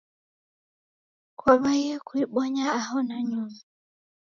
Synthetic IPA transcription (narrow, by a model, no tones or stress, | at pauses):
kwaβaiɛkuiɓɔɲaːhɔnaɲuma